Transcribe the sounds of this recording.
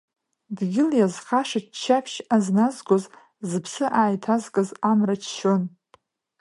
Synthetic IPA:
dɡʲɪljazχaʂat͡ʃt͡ʃʰːapʰʃaznazɡʷoz | zɨpʰsɨʔaːjtʰazkʼɨzamrat͡ʃʰʃon

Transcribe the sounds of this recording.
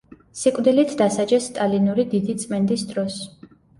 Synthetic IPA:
sikʼvd̪ilit̪ʰd̪asad͡ʒɛst̪ʼalinuɾid̪id̪it̪sʼmɛnd̪isd̪ɾɔs

